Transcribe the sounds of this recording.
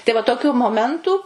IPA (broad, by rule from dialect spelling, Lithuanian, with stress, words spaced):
tɐɪ ʋɐ toːˈkʲuː moːˈmʲɛntʊ